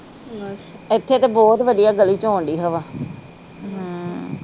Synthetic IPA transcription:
ɪt̪ʰːeːt̪eːbɔːt̪ʋəd̪ijaːɡəliːt͡ʃõːɳɖiːɦəʋaː | ɦː

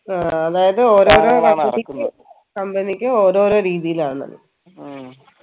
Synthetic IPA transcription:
aːɐðaːjɐðɨo̞ːɾo̞ːɾoːkɐɐikʲːɨ | kɐmbɐnikʲːɨoːɾo̞ːɾo̞ːɾiːðijilaːɳɳːɐ̰ðɨ̰

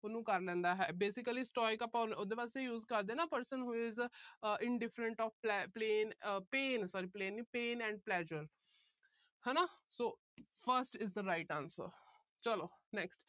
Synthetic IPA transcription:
ʊnũːkəɾlɛ̃ːnd̪aːɦɛːbeːsɪkəliːsʈɔːɪkəpãːnod̪eːʋaːsejuːzkəɾd̪eːnaːpəɾsənɦuɪzʔɪɳɖɪfɾəɳʈɔːfpɛpleːnpeːnsɔːɾiːpleːnːiːpẽːnɛ̃ːɳɖ̚plɛːʒəɾ | hɛːnaːsoː | pʰəɾsʈɪzd̪əɾaɪʈãːnsə̰ɾ | t͡ʃəloːnɛksʈ

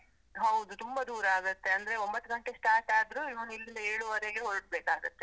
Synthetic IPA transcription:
ɦɐwd̪ut̪umbɐd̪uːɾaːɡɐt̪ːeɐnd̪ɐɾeo̞mbɐt̪ːuɡɐɳʈesʈaːʈaːd̪ɾuiʋɐnilːind̪ɐeːɭuʋɐɾeɡeɦoɾɖ̚beːkaːɡɐt̪ːe

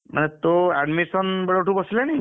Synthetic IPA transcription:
ma̰nɛt̪oɛɖmisɔnbɛɽoʈubɔsilani

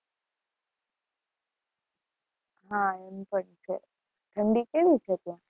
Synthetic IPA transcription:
ɦãempəɳt͡ʃʰḛ | ʈ̪ʰəɳɖikeʋit͡ʃʰet̪ã

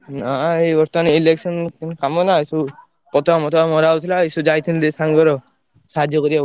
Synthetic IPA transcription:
naeɔɾt̪nileksɔnkinkamɔnaisu | pɔt̪ɔamɔt̪ɔamɔɾawt̪ʰilaisud͡ʒajt̪ʰind̪esaŋɡɔɾɔ | saɦadʱjɔkɔɾiba

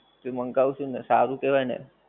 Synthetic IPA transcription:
t̪eməŋkaʋuʃũnesaɾũkeʋajnḛ

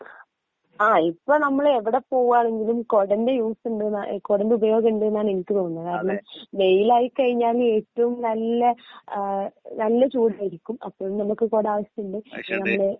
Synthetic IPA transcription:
aːipːoːɭnɐmːɐɭeʋiɽe̞po̞ːɣuaːɳe̞ŋɡilumko̞ɽɐnde̞juːsuɳɖɨko̞ːɽɐndeubɐjo̞ːɡɐɳɖɨenːaːne̞nikʲːɨt̪oːnːkaːɾɐɳɐmʋe̞jilaːjikɐɻiɲːaːle̞ːtːɐʋumnɐlːɐ | nɐlːɐt͡ɕuːɽaːjiɾikʲːumɐ̰pːo̞ːɻmnɐmukːɨko̞ːɽaːʋɐɕɐmuɳɖɨnɐmːɐɭe

